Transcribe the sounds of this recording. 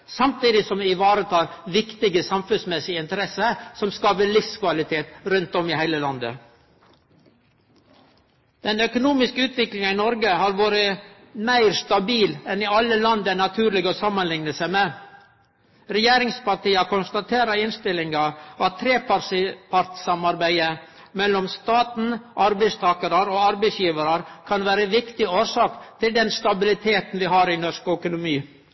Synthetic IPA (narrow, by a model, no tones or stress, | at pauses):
sɑmt̪iːd̪ɪsɔmɪʋɑːɾət̪ʰɑːɾʋɪkt̪ɪɡəsɑmfʉnsmɛsɪɪnt̪əɾɛsəsɔmskɑːʋəɭɪfskʋɑlɪt̪ʰeːt̪ɾʉnt̪ɔmɪhæɪləlɑnd̪ə̰ | d̪̥ɛnœkʊnuːmɪskəʉːt̪ʋɪklɪŋɑɪnɔɾɡəhɑɾʋoːɾə | mæɪɾst̪ɑbiːlɛnɪɑlːəlɑnd̪ənɑt̪ʰʉːɾɭɪɡɔsɑmːənlɪŋnəsæɪmeː | ɾɛjeːɾɪŋspɑɾʈiːəkʰɔnst̪ɑt̪ʰeːɾəɪnst̪ɪlɪŋɡɑʔɑt̪ʰːɾeːpɑɾsɪpʰɑɾt̪sɑmɑɾbæɪə | mɛlːɔmst̪ɑːt̪n̩ʔɑɾbæɪst̪ʰɑːkəɾəɾɔɑɾbæɪsjiːʋəɾɑɾkʰɑnʋæːɾəʋɪkt̪ɪoːɾʂɑːkt̪ʰɪld̪ɛnst̪ɑbɪlɪt̪ʰeːt̪n̩ʋɪɦɑɾɪnɔʂkœkʊnʊmiː